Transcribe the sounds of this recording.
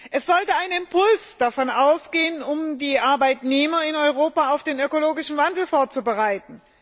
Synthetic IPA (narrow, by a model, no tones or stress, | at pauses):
ʔɛsz̥ɔltəaɪnɪmpʰʊlsd̥afɔnʔaʊsɡ̥eːənʊmdiːʔaɐbaɪtneːmɐɪnɔʏʁoːpaaʊfd̥eːnøkoloːɡɪʃn̩vandl̩foːɐt͡subəʁaɪtn̩